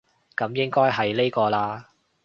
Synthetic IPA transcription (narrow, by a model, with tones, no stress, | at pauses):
kɐ˨˧˥mjɪ˥ŋkɔː˥jɦɐ˨jle˥jkɔː˧laː˧